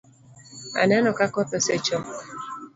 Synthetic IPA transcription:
a̰nanɔkakɔt̪ɔsɛt͡ʃɔ

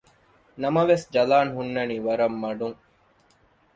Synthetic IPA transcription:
nɐmɐʋesd͡ʒɐlaːnɦunːɐniːʋɐɾɐmːɐɖuŋ

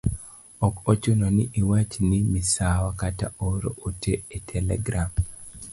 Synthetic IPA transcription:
ɔkot͡ʃononiʔiwat͡ʃnimisawakata̰oɾo̰oteetʰɛlɛ̰ɡɾam

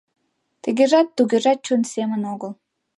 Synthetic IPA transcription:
t̪əɣeʒɑt̪ːuɣeʒɑt̪̚t͡ɕunsemə̆noɣəl

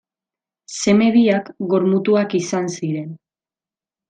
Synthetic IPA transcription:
se̞me̞βiakɡo̞ɾmut̪uakisansiɾe̞n

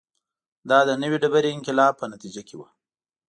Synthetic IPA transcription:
d̪ɑd̪ənəwiɖabaɾeɪŋkɪlɑb̚pːənat̪id͡ʒakewa

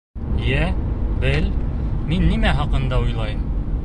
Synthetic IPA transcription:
jæbɘlminːimæɦɑqɤ̆nd̪ɑujlˠɑjɤm

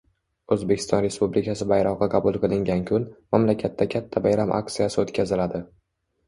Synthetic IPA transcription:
ɵzbe̞kʲʰɪst̪ɒnɾe̞spublɪkʲʰasɪbajɾɒqːɑqʰɑbʊlˠqʰɨlˠɪŋɡʲankʲʰʊnmamlakʲʰat̪ʰːakʲʰat̪ʰːabajɾamʔa̰k̚t̪sijasɪot̪kʲʰazɪlad̪ɪ

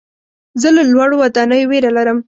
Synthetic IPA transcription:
zəlalwaɽowad̪anəjoweɾalaɾəm

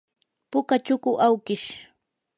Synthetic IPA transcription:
pʊkat͡ʃʊkʊʔawkɪʃ

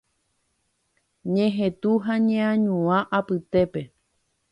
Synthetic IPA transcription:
ɲẽɦẽt̪uɦaɲẽãɲũãʔapɨt̪e̞pe̞

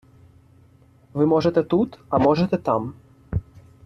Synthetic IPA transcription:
ʋɨmɔʐɛt̪ɛt̪ut̪ɐmɔʐɛt̪ɛt̪am

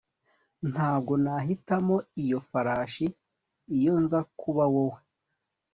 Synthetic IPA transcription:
n̥haːb̚ɡo̞naɦitamo̞ijo̞faɾaːʃiː | jo̞nzakuβawowe

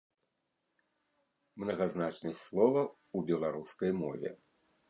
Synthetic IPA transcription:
mnɐɣaznat͡ʂnɨsʲslˠɔvɐ | ubʲɛlˠaɾuskɐjmɔ̰vʲɛ̰

